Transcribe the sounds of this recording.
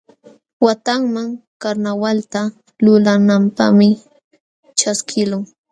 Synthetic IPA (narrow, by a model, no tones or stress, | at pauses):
wat̪aŋmaŋkaɾnawalt̪a | lʊlanampa̰χmɪ | t͡ʃaskʰɪlʊŋ